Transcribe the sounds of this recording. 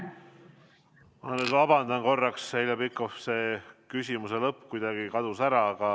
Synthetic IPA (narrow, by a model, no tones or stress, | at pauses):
mɑnːet̪vɑbɑnd̪ɑnko̞rːɑkshelʲjɑbikːofse̞ːkysʲimuse̞lɤpːkujd̪̥ɑɡ̥ikɑd̪usæɾɑɑɡ̥ɑ